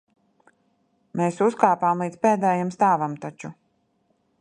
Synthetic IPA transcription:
meːsuskaːpaːmlˠiːd̪spɛːd̪ɛːjamst̪aːvamt̪at͡ʃu

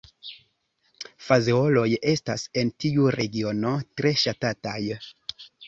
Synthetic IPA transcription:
fazeo̞lo̞je̞stase̞ntiuɾe̞ɡio̞no̞tɾe̞ʃatataj

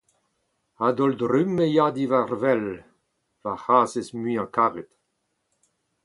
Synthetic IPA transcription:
ad̪ɔld̪ɾymːejad̪ivaɾvɛl | vahaːzesmyãkaːʁet̪

